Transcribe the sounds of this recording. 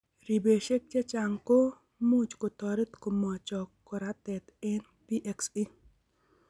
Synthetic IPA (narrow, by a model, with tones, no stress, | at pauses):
ɾi˨be˨ʃe˦k̚t͡ʃe˦t͡ʃa˨ŋko˦ | mu˦t͡ʃko˨t̪ɔ˨ɾe˦t̪ko˨mɔ˨t͡ʃɔ˨kɔ˨ɾa˦t̪ɛ˨t̪ɛ˦n | pi˦ʔe˨ksi˦